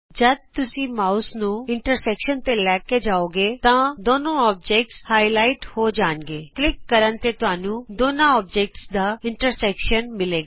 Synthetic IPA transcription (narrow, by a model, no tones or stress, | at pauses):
d͡ʒəd̪̚t̪ʊsĩːmaːusnũːɪɳʈəɾsɛːkʃənt̪eːlɛːkeːd͡ʒaːoːɡeːt̪ãːd̪oːnõːɔːp̚d͡ʒeːk̚ʈshaːilaːɪʈhoːd͡ʒaːnɡeːklɪkːəɾənt̪eːt̪ʊɦaːnũːd̪oːnãːɔːb̚d͡ʒɛːk̚ʈsd̪aːɪɳʈəɾsɛːkʃənmɪleːɡaː